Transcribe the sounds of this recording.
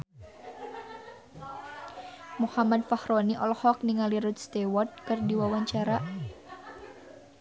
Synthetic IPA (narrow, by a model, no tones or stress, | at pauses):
muhamad̪fahɾoniʔɔlhɔk̚niŋaliɾʊt̪̚st̪ewɔt̪̚kɨrdiwawaɲt͡ʃaɾa